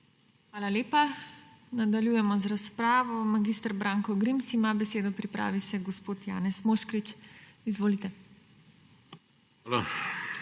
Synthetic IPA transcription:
xʋaːlaleːpa | nad̪aljujɛmɔzɾaspɾaːʋɔmaɡist̪ɾbɾaːŋkɔɡɾimsimabɛseːd̪ɔpɾipɾa̰ːʋisɛɡɔspoːt̪ja̰ːnɛsmoːʃkɾit͡ʃizʋoːlit̪ɛ | alo

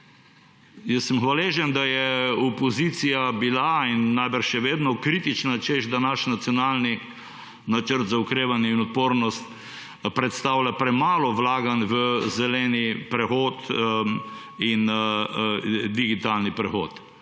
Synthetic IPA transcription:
jəsːəmxʋaleʒɛnd̪ajɛɔpɔzit̪sijabilainːajbəɾʃɛʋeːd̪nɔkɾit̪it͡ʃnat͡ʃeʒd̪anaʃnat̪siɔnaːlni | nat͡ʃəɾt̪zaukɾeːʋanjɛinɔt̪̚poːɾnɔst̪ | pɾɛt̪st̪aːwlʲapɾɛmaːlɔʋlaːɡanʋəzɛlɛnipɾɛxoːt̪ | in | d̪iɡit̪alnipɾɛxo̰ːt̪

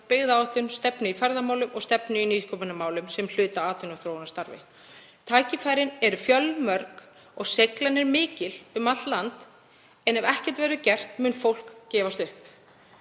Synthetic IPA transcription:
pɪɣðaawt̪lʏnst̪ɛpnɪifɛɾðamaːwlʏmɔɣst̪ɛpnɪiniːskʰɔpanamaːwlʏmsɛml̥ʏːt̪aaːt̪ʰʏnaθɾownast̪aɾvɪ̰ | t̪ʰaːjcɪfaːjɾɪnɛɾʏfjœlmœɾk | ɔɣsejklanːɛɾmɪːcɪlʏmat̪llant̪ | ɛnɛvɛhcɛ̥t̪vɛːɾʏcɛr̥t̪mʏːnfowl̥kcɛːvast̪ʏhp

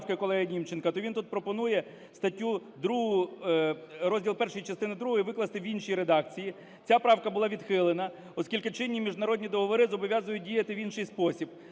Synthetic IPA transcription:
kɐkɔlˠɛɦɐnʲimt͡ʃenkɐt̪ɔʋʲint̪ut̪̚pɾɔpɔnujɛ | st̪ɐtʲːud̪ɾuɦʊjʊ | ɾɔzʲdʲilˠpɛrʃɪjit͡ʃɐst̪ɪnɪd̪ɾuɦɔjʋɪklˠɐst̪ɪʋʲinʃijɾed̪ɑk̚t͡sʲiji | t͡sʲapɾɑwkɐbʊlˠɑʋʲid̪xɪlˠenɐ | ɔskʲilʲkɐt͡ʃɪnʲːimʲiʒd̪nɐɾɔdʲnʲid̪ɔɦɔʋɔɾɪzɔbɔʋʲjazʊjʊt̚ʲdʲijɐt̪ɪʋʲinʃɪjspɔsʲib̥̚

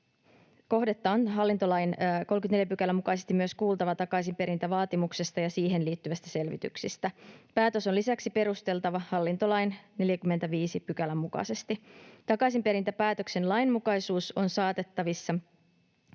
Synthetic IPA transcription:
ko̞ɦdet̪ːɑːnɦɑlːint̪o̞lɑjnkolmkyt̪nejæpykælːæmukɑjsest̪imːyø̞skuːlt̪ɑʋɑt̪ɑkɑisimpe̞ɾint̪æʋɑːt̪imukse̞st̪ɑjɑsiːɦe̞nliːt̪ːyʋæst̪æse̞lʋḭt̪y̰ksist̪æpæːt̪øsolisæksipe̞ɾust̪e̞lt̪ɑʋɑhɑlːint̪o̞lɑjnne̞ljækymːet̪æʋiːsipyk̟ælːæmːukɑ̰se̞st̪it̪ɑkɑsimpe̞ɾint̪æpæːt̪ø̞kse̞nlɑjnmukɑjsuːso̞nsɑːt̪e̞t̪ːɑʋisːɑ

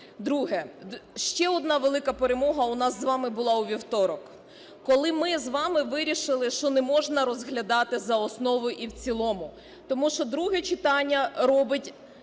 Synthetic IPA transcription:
d̪ɾuɦɛʃt͡ʃɛɔd̪nɑʋelˠɪkɐpeɾemɔɦɐʊnɑzːʋɑmɪbʊlˠɑuʋʲiwt̪ɔɾɔk | kɔlˠɪmɪzʋɑmɪʋɪɾʲiʃɪlˠɪʃt͡ʃɔnɛmɔʒnɐɾɔzɦlʲɐd̪ɑt̪ɪzɐɔsnɔʋʊjʔiwt͡sʲilˠɔmʊ | t̪ɔmuʃt͡ʃɔd̪ɾuɦɛt͡ʃɪt̪ɑnʲːɐɾɔbɪtʲ

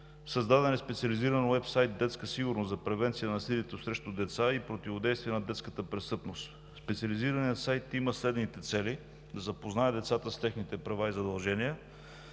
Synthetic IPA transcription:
sɐzd̪ad̪ɛnɛspɛt̪siɐliziɾənwɛpsajt̪̚d̪ɛt̪skəsiɡʊɾnoszɐpɾɛvɛnt̪sijənɐsilit̪osɾɛʃt̪ʊd̪ɛt̪saipɾot̪ivod̪ɛjst̪vijɛnɐd̪ɛt̪skət̪əpɾɛst̪ɤpnost̪ | spɛt̪sʲiəliziɾəniət̪sajt̪iməslɛd̪nit̪ɛt̪sɛli | d̪ɐzɐpoznaɛd̪ɛt̪sat̪əst̪ɛxnit̪ɛpɾɐvaizɐd̪ɐlˠʒɛnijə

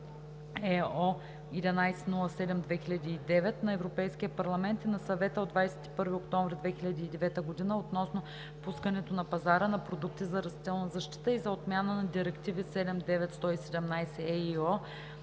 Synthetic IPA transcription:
ɛɔ | id̪ʲɛnajsɛnulˠɐsɛd̪ɛmd̪vɛxilʲɐd̪iːd̪ɛvɛt̪nɐɛvɾopɛjsk̟iəpɐɾlˠɐmɛnt̪inɐsɐvɛt̪əod̪vajsɛ̥t̪i̥pɤɾviokt̪ɔɱvɾid̪vɛxilʎʲɐd̪iːd̪ɛvɛt̪əɡod̪inəot̪nɔsno | puskənɛt̪onɐpɐzaɾənɐpɾod̪uk̚t̪izɐɾɐst̪it̪ɛlˠnɐzɐʃt̪i̥t̪əizɐot̪mʲjanənɐd̪iɾɛkt̪ivisɛd̪ɛmd̪ɛvɛt̪st̪ɔisɛd̪ɛmnajsɛɛiɔ

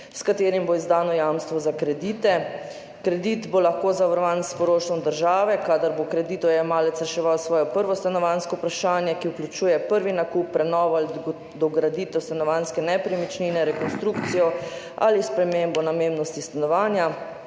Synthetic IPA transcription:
skat̪eːɾimboizd̪aːnɔjamst̪ʋɔzakɾɛd̪iːt̪ɛ | kɾɛd̪it̪bolaxkozaʋəɾʋanspɔɾoːʃt̪ɔmd̪əɾʒaːʋɛkad̪aɾbokɾɛd̪iːt̪ɔjɛmaːlɛt̪sɾɛʃɛʋawsʋɔːjɔpəɾʋɔst̪anɔʋanskɔpɾaʃaːnjɛkiuklʲut͡ʃuːjɛpəɾʋinakupːɾɛnɔːʋal | d̪ɔɡɾad̪it̪ɛwst̪anɔʋanskɛnɛpɾimit͡ʃninɛɾɛkɔnst̪ɾuːkt̪sijɔ | a̰lispɾɛmembɔnamemnɔst̪ist̪anɔʋaːnja

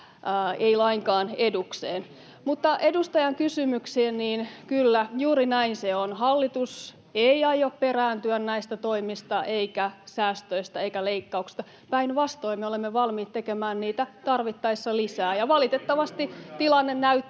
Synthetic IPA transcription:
eilɑiŋkɑːnedukseːn | mut̪ːɑʔedust̪ɑjɑŋkysymyksiːnniːnkylːæjuːɾinæinseonhɑlːit̪us | eiɑjopperæːnt̪yænnæist̪æt̪oimist̪ɑʔeikæsæːst̪øist̪ɑeikæleikːɑuksi̥st̪ɑ | pæinʋɑst̪oimːeolemːeʋɑlmiːt̪t̪ekemæːnniːt̪æt̪ɑrʋit̪ːɑisːɑlisæːjɑʋɑlit̪et̪ːɑʋɑst̪it̪ilɑnːennæyt̪ː

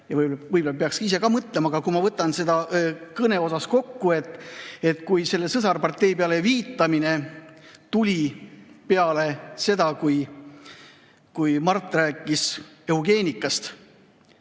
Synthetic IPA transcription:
jɑvɯvɯjbolep̬eɑkskise̞kɑmɤt̪ˑlemɑɡ̥ɑkumɑvɤt̪ːˑɑnse̞d̪ɑkɤne̞o̞sɑsko̞kːue̞t̪ˑːe̞t̪ːˑkujse̞lːe̞sɤsɑrpɑrt̪ːe̞jpeɑle̞viːt̪ːˑɑmine̞t̪ulʲipeɑle̞se̞d̪̥ɑkuj | kujmɑrt̪ˑːræːkːˑiseuɡ̥e̞ːnʲikːˑɑst̪

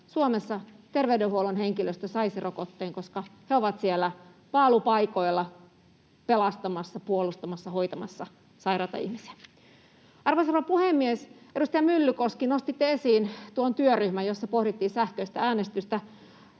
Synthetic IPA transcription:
suomesːɑt̪erʋeydehuolunheŋkiløst̪æsɑiserokot̪ːeːŋkoskɑheoʋɑt̪sielːæpɑːlupɑikoilːɑ | pelɑst̪ɑmɑsːɑpuolust̪ɑmɑsːɑhoit̪ɑmɑ̰sːɑ | sɑiɾɑt̪ɑ̰ḭhmisi̥æ | ɑrʋoisɑrʋɑpuhemːiesedust̪ɑjɑmylːykoskinost̪it̪ːeesiːnt̪uont̪yøryhmæjosːɑpohɾit̪ːiːsæhkøist̪ææːnest̪yst̪æ

